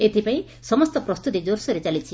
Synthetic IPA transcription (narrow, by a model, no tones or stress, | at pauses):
et̪ʰipaĩ | sɔmɔst̪ɔpɾɔst̪ut̪id͡ʒoɾsɔɾet͡ʃalit͡ʃʰi